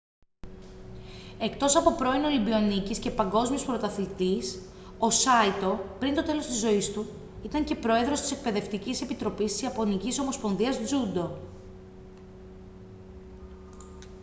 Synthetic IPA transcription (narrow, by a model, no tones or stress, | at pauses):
e̞kt̪o̞sɐpo̞pɾo̞ino̞libio̞nicisce̞pɐŋɡo̞zmiospɾo̞t̪ɐθit̪is | o̞sɐit̪o̞pɾint̪o̞t̪e̞lost̪izːo̞ist̪u | it̪ɐɲce̞pɾo̞e̞ðɾo̞st̪i̥se̞k̚pe̞ðe̞ft̪icise̞pit̪ɾo̞pist̪isiɐpo̞niciso̞mospo̞nðiɐzd͡zud̪o̞